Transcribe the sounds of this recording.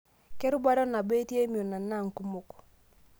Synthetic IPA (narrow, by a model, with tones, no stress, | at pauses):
kɛ˦ɾʊ˦ba˦ɾɔ˦na˨be˦tje˦mi˨o˨na˨na˦˨ŋ˨ku˦mu˦k